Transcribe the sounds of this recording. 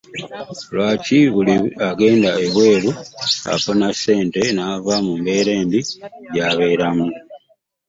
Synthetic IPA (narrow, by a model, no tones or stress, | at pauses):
lwaːciβuliaɡe̞ːndaeβwe̞ːlua̰ponase̞ːnte̞naːvamumbe̞ɾe̞ːmbiɟaβe̞ːɾamu